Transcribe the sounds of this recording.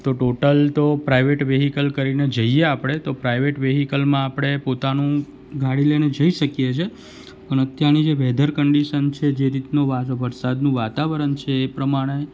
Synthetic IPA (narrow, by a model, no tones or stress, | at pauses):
t̪oʈoʈəlt̪opɾajʋeʈʋeɦikəlkəɾined͡ʒəieapɽ̃et̪opɾaiʋeʈʋeɦikəlmãapɽ̃epot̪anũ | ɡʱaɽilened͡ʒəiʃəkjet͡ʃʰe | pəɳət̪janid͡ʒeʋɛd̪ʱəɾkəɳɖiʃənt͡ʃʰed͡ʒeɾit̪noʋaʋəɾsad̪nũʋat̪aʋəɾənt͡ʃʰeːpɾəmaɽ̃e